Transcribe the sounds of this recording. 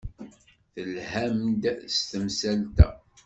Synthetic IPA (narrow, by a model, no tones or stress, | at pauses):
θəlhæmd̪st̪əmsælt̪æ̰